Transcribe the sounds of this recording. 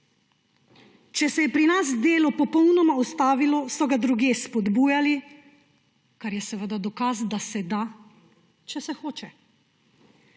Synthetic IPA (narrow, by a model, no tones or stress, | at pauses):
t͡ʃɛsɛjɛpɾinasd̪eːlɔpɔpɔwnɔmaɔst̪aːʋilɔsɔɡad̪ɾuɡjeːspɔd̪buːjali | kaɾjɛsɛʋəd̪ad̪ɔkazd̪asɛd̪a | t͡ʃɛsɛxoːt͡ʃɛ